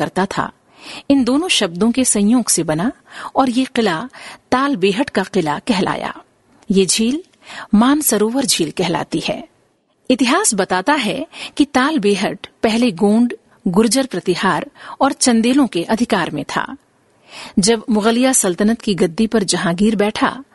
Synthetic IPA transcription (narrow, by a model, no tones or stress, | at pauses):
ɐɾt̪at̪ʰa̰ | ɪnd̪oːnõʃɐb̚d̪õkesɐ̃joːɡsebɐna | ɔːɾjeqɪlat̪aːlbeːɦəʈkaqɪlakɛɦla̰ːja̰ː | jeːd͡ʒʱiːl | maːnsɐɾoːʋəɾd͡ʒʱiːlkɛɦla̰ːt̪ihɛ̰ː | ɪt̪ɪɦaːsbɐt̪aːt̪aɦɛkit̪aːlbeːɦəʈpɛɦleɡõːɳɖ | ɡʊɾd͡ʒəɾpɾɐt̪ɪɦaːɾɔːɾt͡ʃɐ̃nd̪eːlõkeʔɐd̪ʱɪkaːɾmẽt̪ʰa̰ː | d͡ʒɐbmʊɣəlɪjasɐlt̪ənət̪kiɡɐd̪ːipɐɾd͡ʒɐɦãːɡiːɾbɛːʈʰa̰ː